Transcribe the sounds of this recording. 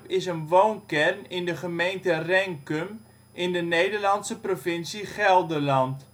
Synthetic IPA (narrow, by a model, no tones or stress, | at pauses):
pɪsənʋownkɛrnɪndəχəmejntərɛŋkøm | ʔɪndənejdərlɑntsəprofɪnsiχɛlˠdəlɑnt